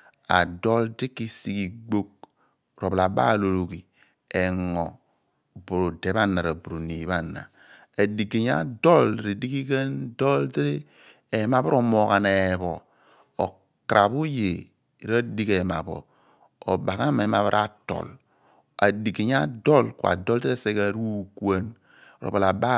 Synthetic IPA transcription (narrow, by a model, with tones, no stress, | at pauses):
a̰˨do˦ldi˦ki˦si˦ki˨ɡ͡bo˦k̚ | ɾo˨bla˨ba̰˦˨lo˨lo˨ɡi˨ | e˨ŋɔ˨ | bu˨ɾo˨de˨˦ba˦nːa˨ɾa˨bu˨ɾu˨ni˨˦βa˦nːa̰˨ | a˨di˨ɡe˨ɲ˦a̰˦do˦lɾi˨di˦ki˦ke˦ndo˦ldɾe˦ | e˨˦ma˨bo˦ɾo˦mo˨ka˨ne˨βo˨ | o˨ | kɾa˨βu˦je˨ | ɾa˦di˦ke˨ma̰˨bo̰˨ | o˨ba˨ka˦me˨˦ma˨βa˦ɾʔa˦to̰˨l | a˨di˨ki˨ɲ˦a˦do˦lkwa̰˨do˦lte˦ɾe˦se˦ka˦ɾu˦kwa˦n | o˨ɾo̰˨ba˨la˨ba˦